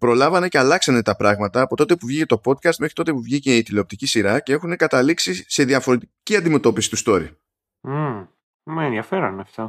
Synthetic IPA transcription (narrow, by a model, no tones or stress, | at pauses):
pɾo̞lɐvɐne̞ce̞ɐlɐksɐne̞t̪ɐpɾɐɣmɐt̪ɐːpo̞t̪o̞t̪epuvʝicet̪o̞po̞d̪̚kɐst̪me̞xɾi̥t̪o̞t̪epuvʝice̞it̪ileop̚t̪icisiɾɐce̞e̞xune̞kɐt̪ɐliksise̞ðiɐfo̞ɾe̞t̪iciɐnd̪ime̞t̪o̞pisi̥t̪ust̪o̞ɾḭ | mɐenðiɐfe̞ɾɐnɐft̪ɐ